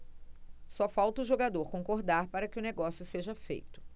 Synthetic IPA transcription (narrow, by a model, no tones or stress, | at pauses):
sɔfawt̪ɐʊʒoɡad̪oɾkõŋkoɾd̪aɾpaɾɐkɪʊneɡɔsjʊseʒɐfḛjt̪ʊ̥